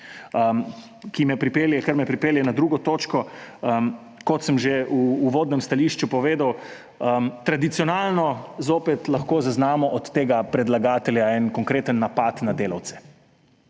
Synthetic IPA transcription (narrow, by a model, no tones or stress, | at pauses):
ə | kimɛpɾipeːljɛkəɾmɛpɾipeːljɛnad̪ɾuːɡɔt̪oːt͡ʃkɔəm | kɔt̪səmʒeuːʋoːd̪nɛmst̪aliːʃt͡ʃupɔʋeːd̪aw | əmt̪ɾad̪it̪siɔnaːlnɔzoːpɛt̪laxkoːzaznaːmɔʔɔt̪ːeːɡapɾɛd̪laɡaːt̪ɛljaɛnkɔŋkɾeːt̪ənːapat̪nad̪eːlawt̪sɛ̥